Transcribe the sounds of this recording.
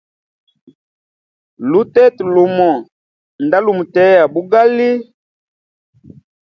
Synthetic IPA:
lu˦tɛ˦tlo˨mɔ˨ | nda˦lu˨mu˨tɛ˨˦ja˨bu˦ɡa˦li˦

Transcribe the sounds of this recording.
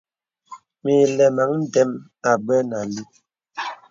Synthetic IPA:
mi˨lɛ˨ma˨˦ŋn̩˦dɛ˦m | a˨ɡ͡bɛ˦na˨li˦

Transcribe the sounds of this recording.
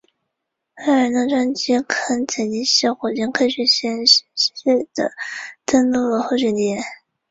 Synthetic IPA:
fa˥˩ɻə˧˥nd̪ə˧ʈ͡ʂwa˥nt͡ɕi˥kʰə˥nt͡sʰə˨˩i˧˥ɕi˥˩xwɔ˨˩t͡ɕjɛ˥nkʰɤ˥˩ɕɥɛ˧˥ɕɛ˥n˥ɕɛ˥˩d̪ə̰˩t̪ə˥nlu˥˩ə˩xo˥˩˧ɕɥɛ˥˩nt̪jɛ˧˥n

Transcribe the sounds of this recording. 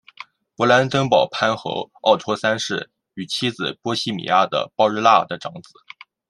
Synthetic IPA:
pɔ˧˥la˧˥nt̪ə˥ŋpɑ˨˩ʊpʰa˥nxɤ̰˧˥ʊɑ˥˩ʊt̪ʰwɔ˥sa˥nʂɻ̩˥˩ | y˨˩t͡ɕʰi˥d͡zɹ̩˨˩pwɔ˥ɕi˥˩mḭ˨˩ja˥d̪ə̰˨pɑ˥ʊɻ̩˥la˥˩d̪ə˩ʈ͡ʂɑ˧˥ŋt͡sɹ̩˨˩˦

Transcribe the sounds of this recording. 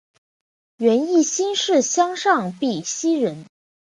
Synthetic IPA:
ɥɛ˧˥ni˥˩ɕi˥nʂɻ̩˥˩ɕjɑ˥ŋʂɑ˥˩ŋpi˨˩ɕi˥ɻə˧˥n

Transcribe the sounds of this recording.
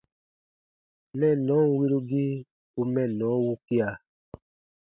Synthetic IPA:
mɛ̃˦˨nɔ̃˨˦˨wi˧ɾu˧ɡi˦ | u˧mɛ̃˦˨nɔ̃˨˦wu˦ki˦a˧˨

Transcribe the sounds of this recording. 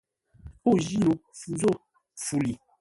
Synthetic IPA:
o˦˨ʒi˦no˨fu˨zo˦˨ | fu˨li˨

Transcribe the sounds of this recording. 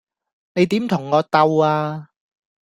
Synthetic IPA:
ne˨˧jt̪iː˨˥mt̪ʰʊ˨˩ŋːɔː˨˧t̪ɐ˧waː˧

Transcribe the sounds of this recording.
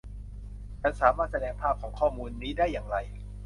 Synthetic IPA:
ka˧nsaː˩˦maː˥˩t̪̚sa˧dɛː˧ŋpʰaː˥˩p̚kʰɔː˩˦ŋkʰɔː˥˩muː˧nːiː˦˥daː˥˩jːaː˨˩ŋɾa˧j

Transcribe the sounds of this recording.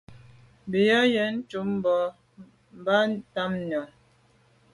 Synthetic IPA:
bi˨jɔ˦jɛ˨˦n̩˦tu˨˦m˦bɔ˨˦ | m̩˨ba˦ta˦mnɔ˨

